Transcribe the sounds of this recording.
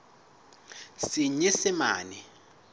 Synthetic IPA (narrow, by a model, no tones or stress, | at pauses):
siɲisɪma̰ːni